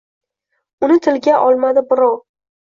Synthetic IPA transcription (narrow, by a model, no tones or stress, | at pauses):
ʊnɪt̪ʰɪlɡʲaʔɒlˠmad̪ɪbɪɾɒw